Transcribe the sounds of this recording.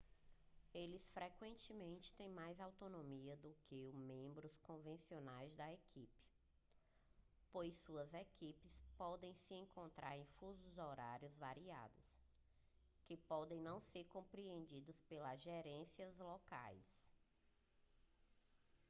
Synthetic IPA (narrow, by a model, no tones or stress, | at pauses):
elɪsfɾɛkwẽnt͡ʃɪmẽnt͡ʃɪ̥t̪ẽj̃majzawt̪onõmiɐd̪ʊkɪʊmẽmbɾʊskõvẽsionajzd̪ɐekʰipɪ̥ | pojsuɐzekipɪspɔd̪ẽj̃sɪẽŋkõnt̪ɾa̰ɾẽj̃fuzʊzɔɾaɾjʊzvaɾia̰d̪ʊs | kɪpɔd̪ẽj̃nɐ̃w̃seɾkõpɾiẽnd͡ʒid̪ʊspelɐzʒɛɾẽsiɐzlɔka̰js